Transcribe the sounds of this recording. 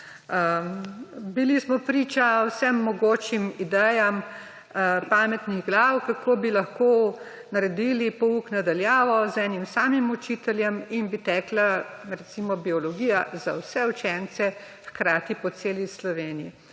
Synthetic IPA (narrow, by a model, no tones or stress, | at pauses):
bilismɔpɾiːt͡ʃawsɛmːɔɡoːt͡ʃimid̪ɛjam | paːmɛt̪niɣɡlawkakʰoːbilɐxkoː | nɐɾɛd̪ilipɔuknad̪aljaːʋɔzɛnimsaːmimut͡ʃiːt̪ɛljɛminbit̪ɛːklaɾɛsimɔbiɔlɔɡiːjaza̰wsɛut͡ʃɛnt̪sɛ | xkɾaːt̪ipɔseːlislɔʋeːniji